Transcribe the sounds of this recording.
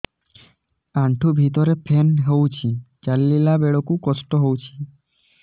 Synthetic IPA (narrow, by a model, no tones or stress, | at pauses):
aɳʈʰubʱit̪ɔɾepʰenɦewt͡ʃʰid͡ʒalːilabeɭɔkukɔsʈɔɦowt͡ʃʰi̥